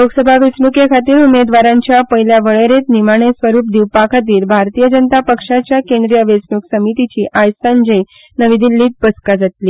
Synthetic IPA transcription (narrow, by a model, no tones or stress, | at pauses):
loɡsəbʱaʋesnukjəkʰat̪iːɾumed̪ʋaɾãɲt͡ɕjapəɦiljaʋəɭeɾet̪nimaɽ̃esʋəɾuːp̚d̪iʋpakʰat̪̬iːɾbʱaɾt̪ijəd͡ʑənət̪apəkʂat͡ɕjakẽnd̪ɾijəʋesnuksəmit̪it͡ɕiːʔajsand͡ʑəj | nəʋid̪ilːiːt̪̚pəskad͡zat̪liː